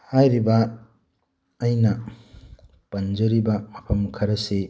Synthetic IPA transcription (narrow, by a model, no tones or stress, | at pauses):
hajɾibɐ | jnɐ | pɐnd͡ʒɐɾibɐmapʰɐmkʰɐɾɐse